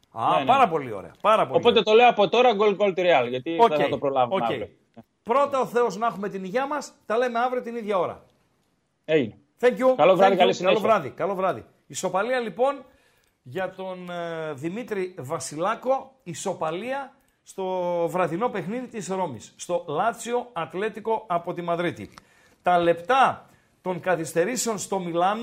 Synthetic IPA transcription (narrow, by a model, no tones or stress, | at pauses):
ɐ̰pɐɾɐpo̞lio̞̰ɾḛɐ̰pɐɾɐpoopot̪et̪oleoɐpo̞t̪o̞ɾɐɡolɡolt̪ɾiɐlʝɐt̪ioceeɐit̪opɾolɐvocei | pɾo̞t̪ɐoθe̞o̞znɐxume̞t̪iniʝɐmɐst̪ɐle̞me̞ɐvɾiot̪iniðʝɐo̞ɾɐ̰ | eʝine | θeɲcukɐlovɾɐðikɐlisiɐelovɾɐðḭkɐlo̞vɾɐðḭ | iso̞pɐliɐlipo̞n | ʝɐt̪o̞nðimit̪ɾivɐsilɐko̞iso̞pɐliɐ | st̪o̞vɾɐðino̞pe̞xniðit̪isɾo̞misːt̪o̞lɐt̪sio̞ɐt̪le̞t̪iko̞ɐpo̞t̪imɐðɾit̪ḭ | t̪ɐle̞pt̪ɐ | t̪o̞ŋkɐθist̪e̞ɾiseo̞nst̪o̞milɐno